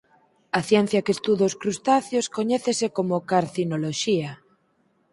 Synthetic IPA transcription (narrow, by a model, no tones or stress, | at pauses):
aθjɛn̟θjakest̪uðoskɾust̪aθjoskoɲeθesekomokaɾθinoloʃia